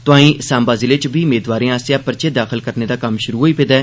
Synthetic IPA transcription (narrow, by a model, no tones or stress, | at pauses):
t̪ʊãːĩːʔsãːmbaːziːleːt͡ʃbiːmeːd̪ʋaːɾẽːaːsjaːpəɾt͡ʃeːd̪aːxəlkəɾneːd̪aːkəmʃʊɾuːɦoːiːped̪ɛː